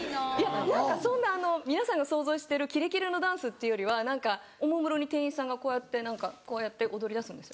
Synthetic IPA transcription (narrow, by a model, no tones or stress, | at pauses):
janãŋkasõ̞nːaːno̞mʲinasãŋɡaso̞ːzo̞ːɕi̥t̪eɾɯ̟kʲiɾe̞kʲiɾɯno̞d̪ãɰ̃sɨt̪ːe̞ɯ̟joɾʲiβanãŋka | omomɯ̟ɾo̞ɲ̟it̪ẽ̞ɰ̃ĩsãŋɡakoːjat̪ːe̞nãŋkako̞ːjat̪ːe̞ʔod̪o̞ɾʲid̪asɨ̃nd̪esɨ̥jo